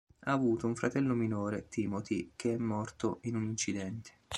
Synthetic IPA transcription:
aːvuːt̪ouɱfɾat̪ɛlːominoːɾet̪imot̪ik̟eɛmːɔrt̪oinunint͡ʃid̪ɛnt̪ʰe̥

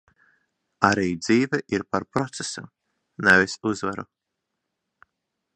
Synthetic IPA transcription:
aɾiːd̪ziːvɛʔiɾpaɾpɾɔt̪sesṵ | nɛvisuzvaɾṵ

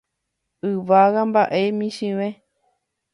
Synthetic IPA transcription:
ɨʋaɣambaʔemĩʃĩʋẽ

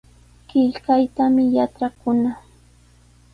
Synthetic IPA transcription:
kɪʎkajt̪amɪjaʈ͡ʂakʊna

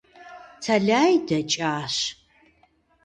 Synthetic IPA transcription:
t͡sʰɐɮaːjdɐt͡ʃʼaːɕ

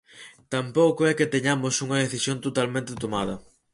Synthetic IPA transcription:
t̪ampowkoɛket̪eɲamʊsuŋɐðeθisjõnt̪ot̪almẽnt̪et̪omað̞ɐ

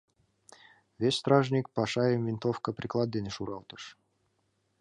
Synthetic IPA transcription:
vʲesʲst̪ɾaʐnʲik̚pɑʂɑjəmvʲint̪ofkəpɾʲiklˠad̪̚dʲenʲʃuɾɑlˠt̪ɤ̥ʂ

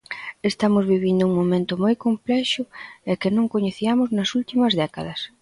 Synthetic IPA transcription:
est̪amʊzβiβind̪ʊuŋmomẽnt̪ʊmojkomplɛʃʊɛkɪnõŋkoɲeθiamʊznɐsult̪imɐzðɛkɐðɐs

